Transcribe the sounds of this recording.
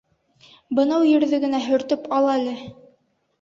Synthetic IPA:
bɤ̆nɑwjɘ̆ɾðɘɡɘ̆næɦɵ̆ɾt̪ɵpɑlˠɑlɘ

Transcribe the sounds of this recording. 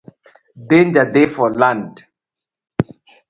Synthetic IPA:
dend͡ʒadefɔlãnd

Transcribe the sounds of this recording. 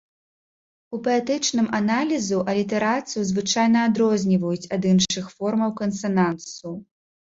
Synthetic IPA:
upɐɛt̪ɨt͡ʂnɨmanalʲizuʔɐlʲit̪ɛɾat̪sɨjuzvɨt͡ʂajnɐːd̪ɾɔzʲnʲivɐjut͡sʲɐd̪ɨnʂɨxfɔrmɐwkɐnsɐnansu

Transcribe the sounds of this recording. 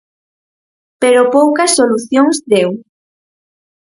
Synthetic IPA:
peɾopowkɐsːoluθjoŋzd̪ew

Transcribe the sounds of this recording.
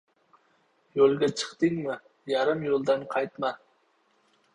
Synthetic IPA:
jolˠɡʲat͡ʃʰɨ̥qt̪ɪŋmɪ | jaɾɪmjolˠd̪anqʰɑjt̪ma

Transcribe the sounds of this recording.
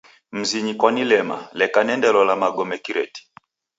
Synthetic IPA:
m̩ziɲikwanilɛma̰lɛkanɛndɛlɔlamaɡɔmɛkiɾɛ̰ti̥

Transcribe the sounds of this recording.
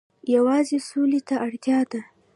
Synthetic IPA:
jawɑzesolet̪aʔaɽt̪jɑd̪a

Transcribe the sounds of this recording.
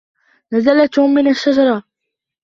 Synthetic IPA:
nazalat̪hmːɪnaʃːad͡ʒɑɾˤɑ

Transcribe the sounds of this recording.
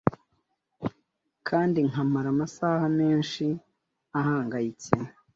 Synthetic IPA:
kʰaːndiŋamaɾamasaːhame̞ːnʃi | ahaːŋɡajit͡se

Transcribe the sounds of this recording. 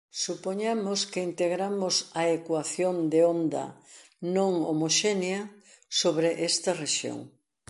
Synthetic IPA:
supoɲamʊskeint̪eɣɾamʊsɐekwaθjond̪eond̪ɐ̰ | nõŋo̰moʃenjɐ | soβɾeʔest̪ɐreʃjo̰ŋ

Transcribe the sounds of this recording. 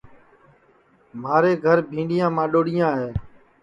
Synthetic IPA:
maːɾeːɡʱəɾbʱĩːɳɖɪjãːmãːɗoːɽɪjãːɦeː

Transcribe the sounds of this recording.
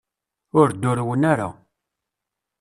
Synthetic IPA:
ʊɾd̪ːʊɾwənaɾa̰

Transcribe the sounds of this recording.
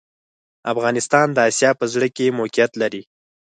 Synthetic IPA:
afɣɑnɪst̪ɑnd̪əɑsjɑpəzɽəkemokjat̪laɾi

